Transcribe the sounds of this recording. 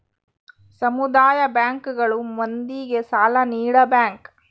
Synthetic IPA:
sɐmud̪aːjɐbjaːŋkuɡɐɭumond̪iːɡesaːlɐniːɽɐbjaːŋk

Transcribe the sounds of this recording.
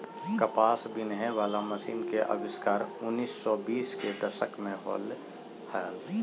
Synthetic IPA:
kəpaːsbɪnɦɛ̃ʋaːlaməsiːnkeʔə̰bɪskaːɾʊnːiːsːɔbiːsked̪əʃəkmẽɦo̰ːl | hɛːl

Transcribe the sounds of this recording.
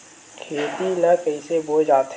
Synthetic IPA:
kʰeːt̪ilakəɪseboːd͡ʒaːt̪

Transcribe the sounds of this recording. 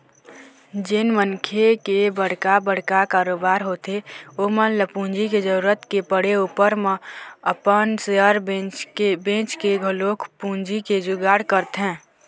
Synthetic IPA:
d͡ʒɪnmənkʰekebəɽ̤kabəɽ̤kakaːɾoːbaːɾɦot̪eomənləpũnd͡ʒiked͡ʒəɾuːɾət̪kepəɽeupəɾmeəpənseəɾbẽt͡ʃebẽt͡ʃkeɡʱəlokʰpũnd͡ʒiked͡ʒʊɡaːɽkəɾt̪ɦɛ̃ː

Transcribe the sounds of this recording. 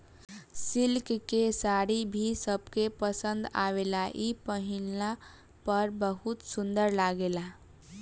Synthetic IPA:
sɪlkkesaːɾibʱisəb̚kepəsə̃nd̪a̰ʋelaʔipəɦina | pəɾbəɦut̪sʊ̃nd̪əɾlaɡela

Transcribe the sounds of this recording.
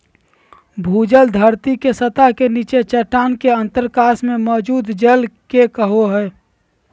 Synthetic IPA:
bʱuːd͡ʒəld̪ʱəɾt̪ikesət̪akeniːt͡ʃet͡ʃəʈaːnkeə̃nt̪əɾkaːsmẽmɔd͡ʒuːd̪d͡ʒelkekəɦoɦɛː

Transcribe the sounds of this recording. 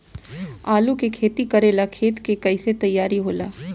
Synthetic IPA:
aːlũkekʰeːt̪ikɐɾeːlakʰeːt̪kekɐiset̪ɐjːaːɾiɦoːla̰ː

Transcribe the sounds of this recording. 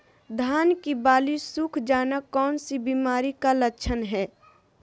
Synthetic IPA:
d̪ʱaːnkibaːlisukʰd͡ʒaːnakːɔːnsibiːmaːɾikalət͡ʃʰənɦɛː

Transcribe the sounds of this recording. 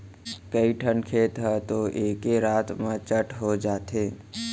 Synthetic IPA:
kəiʈʰənkʰeːt̪ɦɛt̪oʔeːkeɾaːt̪mãt͡ʃəʈʰɦod͡ʒaːt̪eː

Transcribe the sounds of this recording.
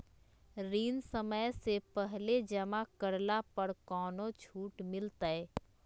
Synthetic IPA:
ɾiːnsəməjsepɛɦled͡ʒəmakəɾlapəɾkɔːnot͡ʃʰuːʈmɪlt̪aɛ

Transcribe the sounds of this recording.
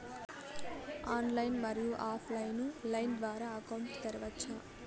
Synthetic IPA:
aːnlɐjnmɐɾijuʔaːpʰlɐjnulɐjnd̪ʋaːɾaːɐkɐwɳʈt̪ɐɾɐʋɐt͡ʃʰːa

